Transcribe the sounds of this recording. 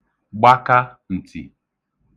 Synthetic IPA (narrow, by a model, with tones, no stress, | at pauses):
ɡ͡ba˦ka˦ | n̩˨tʰḭ˨